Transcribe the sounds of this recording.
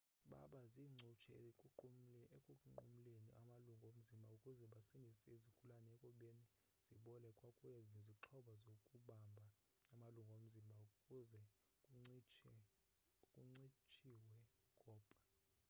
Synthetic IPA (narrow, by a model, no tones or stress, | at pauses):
ɓa̰ɓaziŋ͡ǀʱut͡ʃʰɛuekʼukʼuŋ͡ǃṵm̩leniʔa̰maluŋɡʱom̩zimbʱaukʼuzɛɓasindʱisɛizikʰʼulanɛɛkʼuɓeni | z̥iɓɔlɛkʼwakʼujɛzneziǃʰɔɓazokʼuɓambʱa | amaluŋɡʱom̩zimbʱaukʼuzɛ | kʼuŋ͡ǀit͡ʃʰʼɛ | kʼuŋ͡ǀit͡ʃʰʼiwɛ | ɡʱʼɔːpʼa